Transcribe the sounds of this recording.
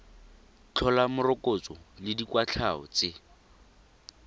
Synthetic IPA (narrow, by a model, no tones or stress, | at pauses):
t͡ɬʰɔlamʊrʊkʼot͡sɔlɪdikwat͡ɬʰaɔ̰t͡sɪ